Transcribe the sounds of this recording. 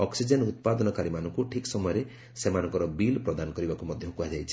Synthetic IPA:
ɔksid͡ʒenut̪̚pad̪ɔnɔkaɾimanɔŋkuʈʰiksɔmɔjɔɾe | semanɔ̃ŋkɔɾɔbilpɾɔd̪anɔkɔɾibakumɔd̪ʱjɔkuad͡ʒajt͡ʃʰi̥

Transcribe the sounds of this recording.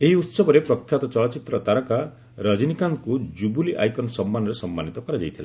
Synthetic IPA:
eɦiut̪sɔbɔɾepɾɔkʰːjat̪ɔt͡ʃɔlɔt͡ʃit̪ɾɔt̪aɾɔka | ɾad͡ʒinikaŋkud͡ʒubuliʔa̰jkɔnsɔmːanɔɾesɔmːanit̪ɔkɔɾad͡ʒajt̪ʰila

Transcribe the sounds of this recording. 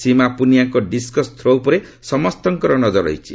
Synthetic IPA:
simapunijaŋkoɖiskɔst̪ʰɾowpɔɾesɔmɔst̪ɔŋkɔɾɔnɔd͡ʒɔɾʌ̰jt͡ʃʰi

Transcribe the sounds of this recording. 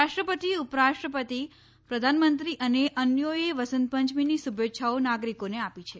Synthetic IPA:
aʃʈɾəpət̪iupɾaʃʈɾəpət̪i | pɾəd̪ʱanmənt̪ɾiʔəneʔənjojeʋəsənt̪̚pəɲt͡ʃminisubʱetːʃʰaonaɡɾikoneapit͡ʃʰe

